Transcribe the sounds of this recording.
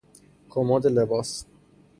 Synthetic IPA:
kʰomɒːd̪elebɒːs

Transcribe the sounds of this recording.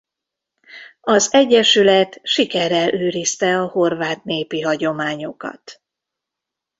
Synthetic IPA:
ɒzɛɟːɛʃylɛt̪ʃikɛrːɛlʔøːɾist̪ɛɒho̞rvaːt̪neːpiɦɒɟo̞maːɲo̞kɒ̰t̪

